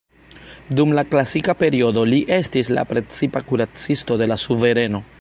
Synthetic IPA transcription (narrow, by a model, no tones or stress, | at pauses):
dumlaklasikape̞ɾio̞do̞liʔe̞stisla̰pɾe̞t͡sipakuɾat͡sisto̞de̞lasuve̞ɾe̞no̞